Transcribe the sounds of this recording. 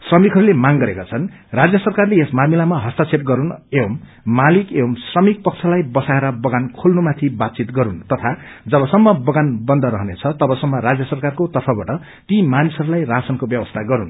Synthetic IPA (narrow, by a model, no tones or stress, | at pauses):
srʌmikɦʌɾulemaŋɡʌɾekat͡sʰʌn | rad͡zjʌsʌrkarleesmamilamaɦʌst̪at͡sʰeʈ̚ɡʌɾunewʌmː | alikewʌmsrʌmik̚pʌk̚t͡sʰʌlajbʌsaeɾʌbʌɡankʰolnumat̪ʰibat̪̚t͡sit̪ɡʌɾunt̪ʌt̪ʰa | d͡zʌbʌsʌmːʌbʌɡanbʌnd̪ʌɾʌɦnet͡sʰʌt̪ʌbʌsʌmːʌɾad͡zjʌsʌrkarkot̪ʌrpʰʌbaʈʌ | t̪imanisʌɾulajrasʌnkobjʌbʌst̪ʰaɡʌɾun